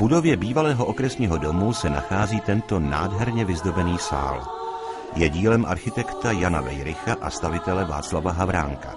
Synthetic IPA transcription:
vb̥udo̞vjɛbiːvalɛːɦo̞ʔo̞kɾɛsɲiːɦo̞do̞musɛna̰xaːziːt̪ɛnt̪o̞na̰ːdɦɛɾɲɛvɪzdo̞bɛniːsa̰ːl | jɛɟiːlɛmʔa̰ɾxɪt̪ɛkt̪ajanavɛ̰jɾɪxaʔast̪avɪt̪ɛlɛva̰ːt͡slavaɦavɾa̰ːŋka̰

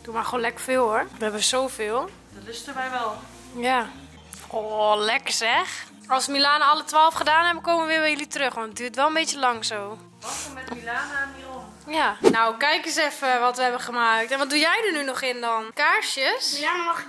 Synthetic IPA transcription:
d̥umaxoːnlɛkəfɪːlˠoʋəɦɛbəsowfɪːlˠ | dɔtlɪstəʋɛjʋɛlˠ | ja | olɛkəsɛx | ɔlˠsmilaːnaɔlˠətʋaːlˠfχədaːnhɛbəkoːməəʋɪːʋəjəlitərøxʋɔndədyːtʋɛlˠənbetjəlɑŋsoː | ʋɔmɛtmilaːnaniom | janawkɛjkəsɛfəʋɔtʋəɛbəχəmaːk̚tɛnʋɔtdujɛjdənynɔχɪndɔnkaɹʃjəs

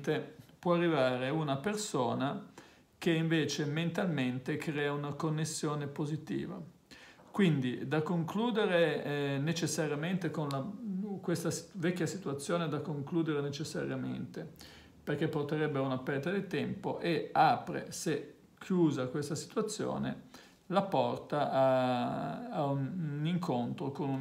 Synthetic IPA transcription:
t̪epwɔarːivaːɾeunapersoːna | k̟eiɱveːt͡ʃement̪alment̪ekɾɛːaunakonːesːjoːnepozit̪ḭːva̰ | kwind̪id̪akːoŋkluːd̪eɾenet͡ʃesːaɾjament̪ekonlakwest̪asi̥vɛkʲːjasit̪uat̪sːjoːned̪akːoŋkluːd̪eɾenet͡ʃesːa̰ɾjamḛnt̪e | perk̟epːort̪eɾɛbːeunapɛɾt̪ad̪it̪ɛmpoʔeaːpɾḛse | kʰːjuːzakwest̪asi̥t̪uat̪sːjo̰ːnḛ | lapɔrt̪aʔaː | uniŋkʰont̪ɾokonu

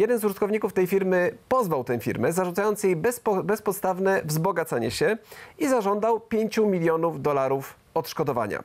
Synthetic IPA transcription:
jɛd̪ɛnzuʐɘt̪kɔvɲikuft̪ɛjfʲiɾmɘpɔzvawt̪ɛ̃w̃fʲḭɾmɛzaʐut̪sajɔnt̪sjejbsbɛspɔt̪st̪avnɛvzbɔɡat̪saɲɛɕɛizaʐɔnd̪awpʲjeɲt͡ɕumʲilʲjɔnuvd̪ɔlaɾuf | ɔt̪ʂkɔd̪ɔva̰ɲa̰

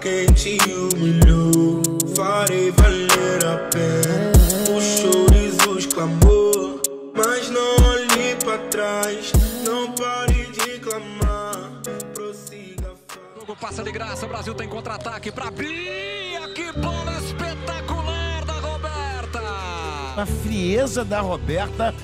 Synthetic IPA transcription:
kẽj̃t͡ʃiumiʎofaɾejvaleɾapɛ | ʊʃʃoɾɪzʊʃklamo | mɐznɐ̃w̃oʎejpɾɐt̪ɾajznɐ̃w̃paɾejd͡ʒɪklamaɾpɾosiɡɐfaoɡʊpasɐdɪɡɾasɐubɾaziwt̪ẽj̃kõnt̪ɾat̪akɪpɾɐviɐkɪpɔdɐspet̪akulaɾd̪ɐhobɛɾt̪ɐ | ɐfɾiezɐd̪ɐɦobɛɾt̪ɐ

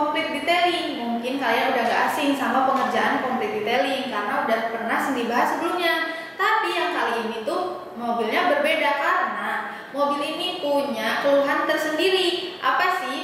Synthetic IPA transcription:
ɔmflɪk̪̚dit̪elɪŋmuŋkɪnkalianudaɡaasɪŋsamapəŋərd͡ʒaʔankɔmflɪk̪̚dit̪elɪŋkarənaudahpərnahsəndibaɦasːəbəlumɲa | t̪apijaŋkaliːnit̪u | mobilɲabərbedakaɾəna | mobilinipuɲakuluɦant̪ərsəndiɾiʔa̰pasɪh

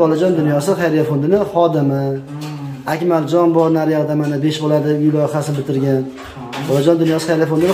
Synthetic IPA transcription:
bɒlad͡ʒɒnd̪ʊnjɒsɪχejɾafond̪ɪnɪχɒd̪ɪmɪ | akʲmald͡ʒɒnbɒɾnaɾjaʁd̪amanɪbe̞ʃbolaɾd̪ɪʊjlɒjqasɪnɪbɪt̪ʰɪɾɡʲan | bɒlad͡ʒɒnd̪ʊnjɒsɨ̥χeɾafond̪ɪn

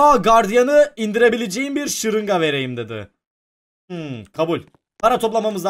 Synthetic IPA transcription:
aɡaɾd̪ijanɯind̪iɾe̞bilʲed͡ʒejimbiɾʃɯɾɯŋɡave̞ɾe̞jimd̪ed̪ɪ̰ | kʰabulʲ | pʰaɾat̪ʰo̞plˠamamɯz

